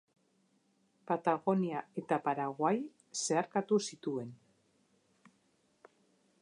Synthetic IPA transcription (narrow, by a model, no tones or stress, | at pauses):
pat̪aɣo̞niae̞t̪apaɾaɣwaj | se̞aɾkat̪usit̪ue̞n